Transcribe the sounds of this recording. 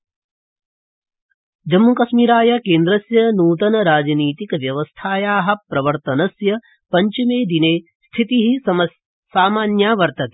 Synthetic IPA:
d͡ʒɐmːukɐʃmiːɾaːjɐkeːnd̪ɾɐsjɐnuːt̪̬ɐnɐɾaːd͡ʒniːt̪ikʋjɐʋɐst̪ʰaːjaːɦɐ̆pɾɐʋɐɾt̪ɐnɐsjɐ | pɐɲt͡ʃimeːd̪ineː | st̪ʰit̪iɦisɐɐ | saːmaːnjaːʋɐɾt̪ɐt̪ː

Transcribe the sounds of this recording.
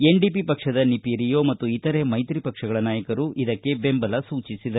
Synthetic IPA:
e̞ɳɖipipɐkʂɐd̪ɐnipiɾijo̞ːmɐt̪ːuit̪ɐɾe̞mɐjt̪ɾipɐkʂɐɡɐɭɐnaːjɐkɐɾuʔid̪ɐkːe̞be̞mbɐlɐsuːt͡ʃisid̪ɐ

